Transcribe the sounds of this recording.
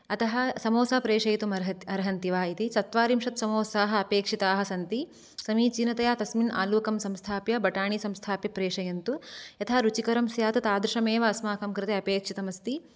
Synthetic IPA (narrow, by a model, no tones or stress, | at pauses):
ɐt̪ɐɦɐ̆sɐmoːsɐːpɾeːʂɐjɐt̪umɐɾɐɦɐt̪ɐɾɐɦɐnt̪iʋaːit̪isɐt̪ʋaːɾimʂɐt̪sɐmoːsaːɦɐɐpeːkʂit̪aːɦɐ̆sɐnt̪i | sɐmiːt͡ʃinɐt̪ɐjaːt̪ɐsmina̰ːluːkɐmsɐmst̪ʰaːpjɐbɐʈaːɳisɐmst̪ʰaːpjɐpɾeːʂɐjɐnt̪ujɐt̪ʰaːɾut͡ʃikɐɾɐmsjaːt̪ɐt̪aːd̪ɾuʂɐmeːʋɐɐsmaːkɐmkɾɪt̪eɐpeːkʂit̪ɐmɐst̪i